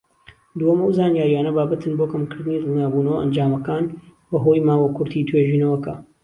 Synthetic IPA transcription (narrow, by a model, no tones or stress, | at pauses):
d̪uhɐmɐwzaːnjaːɾjaːnɐbaːbɐt̪ʰɨnboːkɐmkɨɾd̪ɨniːd̪ɨlˠnaːbuːnɐwɐʔɐ̰nd͡ʒaːmɐkaːnbɐɦoːjmaːwɐkʰʊɾt̪ʰit̪ʰweːʒiːnɐwɐkɐ